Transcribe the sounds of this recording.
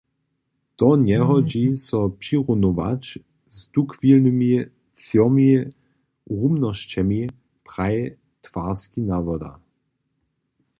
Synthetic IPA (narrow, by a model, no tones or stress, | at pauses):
d̪̥ɔnjɛɦɔd͡ʑisɔpʂiʁunoʋa̰t͡ʃ | zd̪ukvilnɨmi | sjɔmi | ʁumnɔʃt͡ɕɛmi | pʁaj | t̪vaskinavɔd̪a̰